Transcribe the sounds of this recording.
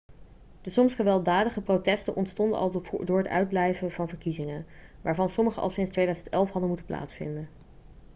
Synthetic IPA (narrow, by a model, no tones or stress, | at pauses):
d̥əsɔmsχəʋɛlˠdaːdəχəprotɛstənʔɔntstɔndə̰ʔɑ̰lˠdʊːɹətœ̰ɥd̚blɛjvəvɑnvəɹkizɪŋənʋaːɹvɑnsɔməχə̰ʔɑ̰lˠsɪnstʋejdœɥzəntɛlˠfɦɑdənmutəpla̰ːtsfɪ̰ndən